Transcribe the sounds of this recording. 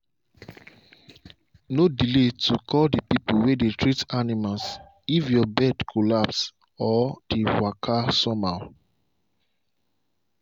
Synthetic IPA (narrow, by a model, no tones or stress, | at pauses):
nodiletukʰɔldipipuwedetɹitanimals | ifjɔbɛdkʰolaps | ɔd̥ewakʰasɔma